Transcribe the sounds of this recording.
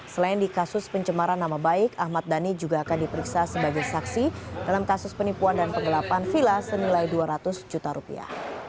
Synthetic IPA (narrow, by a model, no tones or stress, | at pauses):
səlaɪndikasʊspəɲt͡ʃəmaɾanːamabaɪkahmat̪̚danid͡ʒuɡaːkandipəɾiksasəbaɡajsaksidalamkasʊspənipuandanpəŋɡəlapanfilasənilajduaɾat̪ʊsd͡ʒut̪aɾupḭa̰h